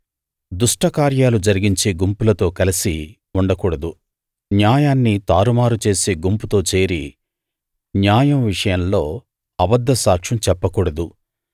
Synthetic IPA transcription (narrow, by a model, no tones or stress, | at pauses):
d̪uʂʈɐkaːɾjaːlud͡ʒɐɾiɡiɲt͡ʃeɡumpulɐt̪o̞ːkɐlisi | uɳɖɐkuːɽɐd̪u | njaːjaːnːit̪aːɾumaːɾut͡ʃe̞ːseːɡumput̪o̞ːt͡ʃe̞ːɾi | njaːjɐmʋiʂɐjɐmlo̞ː | ɐbɐd̪ːɐsaːkʂɐmt͡ʃɛpːɐkuːɽɐd̪u